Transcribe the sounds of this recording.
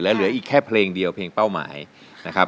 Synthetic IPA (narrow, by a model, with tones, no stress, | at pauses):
ɯ˩˦ɐlɯ˨˩˦ɐʔiː˨˩kʰːɛː˥˩pʰleː˧ŋdi˧əwpʰleː˧ŋpa˥˩wma̰ː˩˦j | na˦˥kʰa˦˥